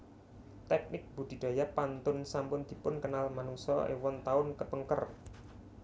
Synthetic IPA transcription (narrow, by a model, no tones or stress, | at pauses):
t̪ɛk̚nɪk̚b̥ṳd̪̥i̤d̪̥a̤japant̪ʊnsampʊnd̪̥i̤pʊnkənalmanuŋsɔḛwɔnt̪aʊnkəpəŋkər